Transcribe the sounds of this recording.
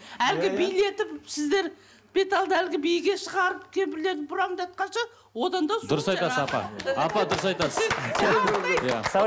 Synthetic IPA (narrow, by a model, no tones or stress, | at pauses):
ælɡʲɪbijle̞t̪ɪpsɪzd̪e̞ɾ | b̥e̞t̪ɑlˠd̪əælɡʲɪbijɪɡʲe̞ʃəʁɑɾəp̚kʲʰe̞bɪɾle̞ɾd̪ɪbʊɾɑd̪ɑt̪̚qɑnʃɑ | wo̞d̪ɑnd̪ɑsd̪ʊɾəsɑj̪ɑsəzɑpɑ̰ɑpɑd̪ʊɾəsɑjt̪ɑsəz | ja̰